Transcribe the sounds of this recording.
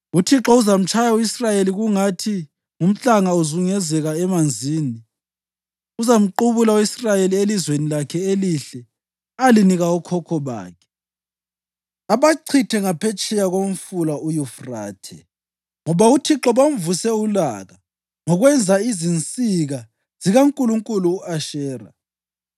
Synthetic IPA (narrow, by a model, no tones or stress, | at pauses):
utʰiǁɔuzam̩t͡ʃʼʰajawisrajeliɣuŋatʰi | ŋum̩ɬaŋauzuŋɛzɛɣaɛmand͡zʱiːni | uzam̩ǃuβulawisrajelielizwenilakʰɛeliɬɛ | aliniɣaɔkʰɔkʰɔβa̰ːkʰɛ̥ | aβaǀʰitʰɛŋapʰɛt͡ʃʼɛjaɣom̩fulaujufra̰ːtʰɛ̰ | ŋɔβautʰiǁɔβam̩vusɛulaɣa | ŋɔɣwɛnd͡zʱaizint͡sʼiɣa | ziɣaŋkʼuluŋkʼuluːaʃɛːra̰